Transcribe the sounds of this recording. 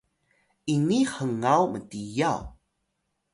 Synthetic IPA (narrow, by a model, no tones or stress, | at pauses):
iniħəŋawmətijaw